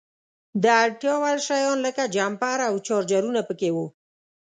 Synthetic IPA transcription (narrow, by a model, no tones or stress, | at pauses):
d̪əaʈjɑwalʃajɔnləkad͡ʒampaɾawt͡ʃɔɾd͡ʒaɾunapəkewu